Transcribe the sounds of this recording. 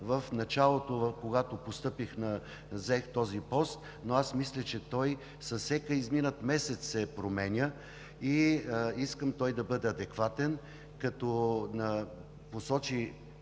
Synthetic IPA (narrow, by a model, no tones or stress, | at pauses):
vəfnɐt͡ʃalˠot̪ovkoɡat̪opost̪ɤpixnɐ | zɛxt̪ɔzipɔst̪ | noasmislʲɐt͡ʃɛt̪ɔj | sɐsɛkəizminət̪mɛsɛt̪ssɛpɾomɛnʲə | iiskəmt̪ɔjd̪ɐbɤd̪ɛɐd̪ɛkvat̪ɛn | kɐt̪ɔnə | posɔt͡ʃi